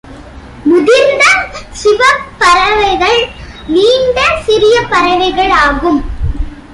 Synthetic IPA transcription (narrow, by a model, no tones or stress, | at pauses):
mʊðɪɾnd̪ɐsɪʋɐpːɐɾɐʋɐɪɣɐɭ | niːɳɖ̪ɐsɪɾɪjɐpɐɾɐʋɐɪɣɐɭaːɣɯm